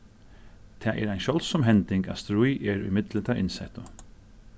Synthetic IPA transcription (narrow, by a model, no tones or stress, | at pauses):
t̪ʰɛːʔɛ̰ɾajnʃɔlsɔmɦɛnt̪ɪŋka̰st̪ɾujɛɹṵjmɪt̪lət̪ʰaɾɪnsɛht̪ʊ